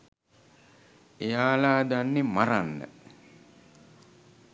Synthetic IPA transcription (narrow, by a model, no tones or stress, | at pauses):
ejaːlaːd̪anːemaɾanːə̰